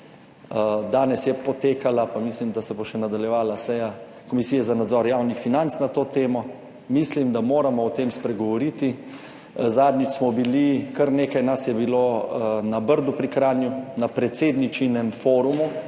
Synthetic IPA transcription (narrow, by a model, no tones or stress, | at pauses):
d̪aːnɛsjɛpɔt̪eːkalapamislimd̪asɛboʃɛnad̪aljɛʋaːlasɛja | kɔmisiːjɛzanad̪zɔɾjawnixfinant̪snat̪oːt̪eːmɔ | mislimd̪amoːɾamɔɔt̪emspɾɛɡɔʋɔɾit̪i | zaːd̪nit͡ʃsmɔbilikɐɾneːkajnasjɛbiloːnabəɾd̪upɾikɾaːnjunapɾɛt̪seːd̪nit͡ʃinɛmfoːɾumu